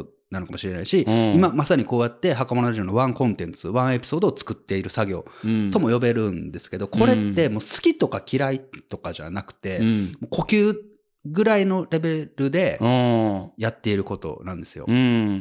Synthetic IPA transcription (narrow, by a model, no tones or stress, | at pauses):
nanokamo̞ɕiɾe̞naiɕiimamasaɲ̟iko̞ːjat̪ːe̞ɦakamo̞noaʑio̞ːnoβãŋkõ̞nt̪ẽ̞nt͡sɨβãɰ̃e̞pʲi̥so̞ːd̪oːt͡sɨ̥kɯ̟t̪ːe̞iɾɯ̟saɡʲo̞̰ːt̪o̞mo̞jo̞be̞ɾɯ̟̃nd̪e̞sɨ̥ke̞d̪o̞kʰo̞ɾe̞t̪ːe̞mo̞ːsɨ̥kʲit̪o̞kakʲiɾait̪o̞kaʑa̰nakɯ̟̥t̪e̞mo̞ːko̞kʲɨː | ɡɯ̟ɾaino̞ɾe̞be̞ɾɯ̟d̪e̞ | jat̪ːe̞iɾɯ̟ko̞t̪o̞̰nãnd̪e̞sɨjo̞̰